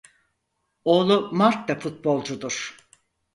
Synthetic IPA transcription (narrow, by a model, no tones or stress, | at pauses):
oːlˠumaɾt̪d̪afut̪̚bo̞lˠd͡ʒud̪uɾ̥